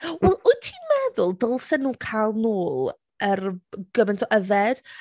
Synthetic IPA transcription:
wɛlˠʊtʰiːnmɛðʊlˠdɔlˠsɛnuːkʰalˠnoːlˠ | ərɡ̥əmɛntʰɔʔəðɛd̥

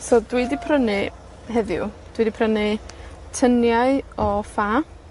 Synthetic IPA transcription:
sodwɪdipʰrənɪ | ɦɛðjʊ̰ | d̥widipʰrənɪtʰənjaɨɔfa

